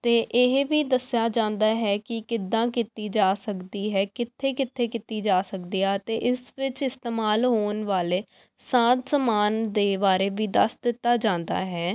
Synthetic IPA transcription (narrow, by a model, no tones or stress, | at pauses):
t̪eːʔɪɦʋiːd̪əsɪjaːd͡ʒãːnd̪aːɦɛːkɪkɪd̪ãːkit̪iːd͡ʒaːsəkd̪iːɦɛːkɪt̪ʰːeːkɪt̪ʰːeːkɪt̪iːd͡ʒaːsəkd̪iːaːt̪eːʔɪsʋɪt͡ʃɪst̪eːmaːlɦoːənʋaːleː | sãːt̪səmaːnd̪eːbaːɾeːbiːd̪ə̰sd̪ɪt̪ːaːd͡ʒãːnd̪a̰ːɦɛː